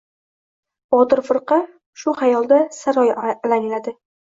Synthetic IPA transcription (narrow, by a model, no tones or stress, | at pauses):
bɒt̪ɨɾfɨɾqɑ | ʃʊhajɒlˠd̪asaɾɒjlanɪlad̪ɪ